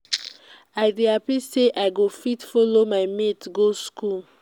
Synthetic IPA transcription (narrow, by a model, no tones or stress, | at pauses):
aɪɹiapiseʔaɪɡofitfolomaɪmetɡoskul